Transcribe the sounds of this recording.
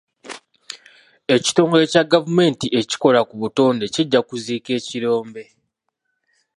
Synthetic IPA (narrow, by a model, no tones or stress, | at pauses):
e̞ci̥to̞ːŋɡoe̞caɡavume̞ːntie̞ci̥ko̞lakuβuto̞ːnde̞ciɟːakuziːke̞ːciɾo̞ːmbe̞